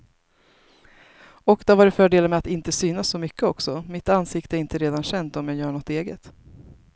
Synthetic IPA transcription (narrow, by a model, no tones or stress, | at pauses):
ɔkd̪avaːɖɛfœːɖeːləmɛat̪ɪnt̪əsyːnasːɔmʏkːəɔksɔmɪt̪ansɪkt̪əæɾɪnt̪əɾeːd̪anɕɛnt̪ɔmjaːɡjœːɳɔt̪eːɡət̪